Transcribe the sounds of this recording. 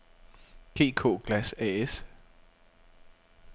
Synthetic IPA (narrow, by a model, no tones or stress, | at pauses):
ɡ̥e̝̰ːkʰo̰ːɡ̥læsɛ̰es